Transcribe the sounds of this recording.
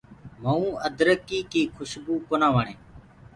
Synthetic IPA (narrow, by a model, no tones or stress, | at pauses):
məũːəd̪ɾəkiːkiːkʰʊʃbuːkoːnãːʋəːɳẽː